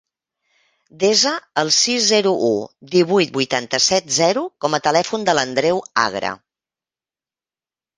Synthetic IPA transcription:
d̪ezəəlˠsizzɛɾuʔud̪iβ̞ujt̪̚bujt̪ant̪əsɛt̪zɛɾukɔmət̪əlɛfund̪ələnd̪ɾɛwa̰ɣɾə̰

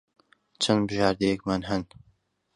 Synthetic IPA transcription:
t͡ʃʰɐnbɨʒaːɾd̪ejɛkmaːnɦɐn

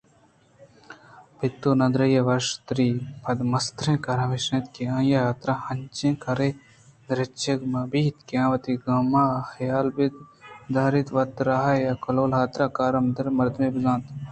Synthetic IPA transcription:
pit̪ːunɐ̃d̪ɾɐjeʋɐʃt̪ɾiːpʰɐd̪mɐst̪ɾẽːkɐɾɐ̃ʋeʃnɐ̃t̪keãːjajaːt̪ɾahɐnt͡ʃẽːkɐɾe | d̪ɾet͡ʃeɡmɐbiːt̪keãːʋɐt̪iɡɐmaːxɐjaːlbid̪d̪aːɾit̪ʋɐt̪ɾaːɦajakɐloːlɦaːt̪ɾaːkaːɾɐmd̪ɐɾmɐɾd̪mẽbɪzãːt̪

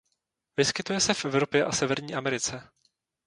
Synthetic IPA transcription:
vɪskɪt̪ujɛsɛfʔɛvɾo̞pjɛʔasɛvɛɾɲiːʔamɛɾɪt͡sɛ

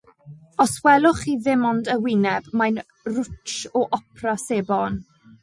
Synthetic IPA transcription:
ɔswɛlˠʊχiðɪmɔndəwɪnɛbmajn | rʊt͡ʃt͡ʃɔʔɔpʰraseːbɔn

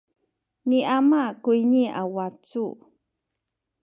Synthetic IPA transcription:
niʔamakujɲia̰wat͡su

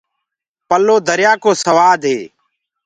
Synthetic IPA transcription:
pəlːoːd̪əɾjaːkoːsəʋaːd̪ɦeː

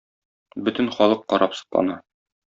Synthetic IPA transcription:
bɵt̪ɘ̆nχɒlˠɤqːɒɾɑpsɤ̥̆qlˠɑ̰nɑ

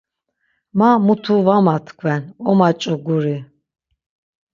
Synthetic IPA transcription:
mamut̪ʰuvamat̪ʰkʰwɛnɔmat͡ʃʼɔɡuɾi

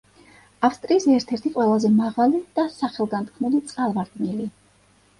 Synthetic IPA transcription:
afst̪ʼɾiːsɛɾt̪ʰɛɾt̪ʰiqʼwɛlˠazɛmaʁalid̪̥asaχɛlˠɡant̪̚kʰmulit̪sʼqʼalˠvaɾd̪ʼnili

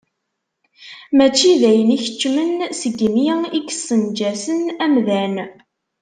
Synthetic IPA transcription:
mæt͡ʃːiðæjəniçə̥t͡ʃːmənsəɡmjikə̥sːənd͡ʒæsənæmðæn

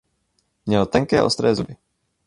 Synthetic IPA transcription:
mɲɛɦɔt̪ɛŋkɛːʔɔ̰st̪ɾɛːzubɪ

